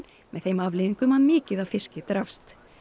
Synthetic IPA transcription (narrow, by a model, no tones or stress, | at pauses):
n | mɛðθejmavlɪːðiŋkʏmaðmɪːcɪðawfɪscɪt̪ɾafst̪